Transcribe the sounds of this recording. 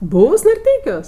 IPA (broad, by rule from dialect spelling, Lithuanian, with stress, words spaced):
ˈbuːws nɐrʲˈtʲɛɪkʲuɔs